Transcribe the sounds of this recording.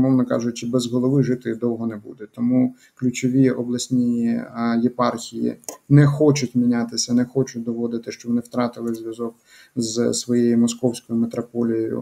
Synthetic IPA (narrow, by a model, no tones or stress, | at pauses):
mɔwnɔkɑ̰ʒʊt͡ʃɪbɛzɦɔlˠɔʋɪʒɪt̪ɪd̪ɔwɦɔnɛbṵd̪ɛt̪ɔmu | klʲʊt͡ʃɔʋʲiɔblˠɐsʲnʲijijɛpɑrxʲijḭnɛxɔt͡ʃʊtʲmʲinʲat̪ɪsʲɐnɛxɔt͡ʃʊt̚ʲd̪ɔʋɔd̪ɪt̪ɪʃt͡ʃɔbʋɔnɪwt̪ɾɑt̪ɪlˠɪzʲʋʲjɐzɔk | zsʋɔjejimɔskɔwsʲkɔjʊmet̪ɾɔpɔlʲijɔjʊ̰